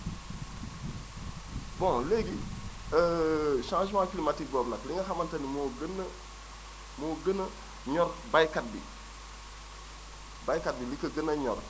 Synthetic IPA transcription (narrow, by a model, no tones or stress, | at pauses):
bõleɡi | əʃãʃimãkilimatik̚ɡoːbnakliŋɐxamantanimoɡən | moɡənɐ | ɲɔɾbajkat̚bḭ | bajkat̚bilikəɡənɐɲoɾ